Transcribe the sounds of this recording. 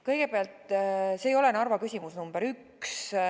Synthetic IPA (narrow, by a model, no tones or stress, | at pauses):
kɤjɡ̥e̞peɑlt̪se̞ːjo̞lenɑrvɑkysʲimusnumb̥eɾyk | s